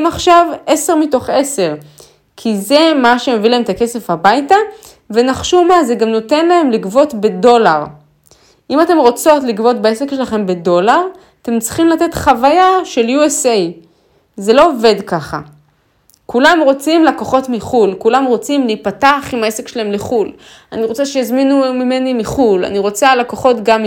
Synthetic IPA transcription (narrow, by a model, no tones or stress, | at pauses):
maχʃave̞se̞ʁmito̞χe̞se̞ʁ | kʰize̞maʃe̞me̞vilaemtake̞se̞fhabajta | ve̞naχʃumazeɡamno̞te̞nlae̞mlikvo̞tbe̞do̞laʁ | ʔimate̞mʁo̞t͡so̞tlikvo̞t̚beese̞kʃe̞laχe̞mbe̞do̞laʁ | ate̞mt͡si̥χimlate̞t̪χavajaʃe̞ljuesej | ze̞lo̞ove̞dkaχa̰ | kulamʁo̞t͡simlakoχo̞tmiχulkulamʁo̞t͡simliːpataːχimaesekʃelae̞mliχul | aniʁo̞t͡seʃejazminumime̞nimiχula̰niʁo̞t͡salakoχo̞tɡam